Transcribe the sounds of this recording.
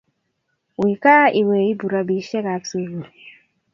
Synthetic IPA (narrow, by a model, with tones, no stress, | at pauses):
wi˨ka˦i˨we˨i˦bu˨ɾa˦bi˨˦ʃɛ˦ka˨˦ksu˨vu˨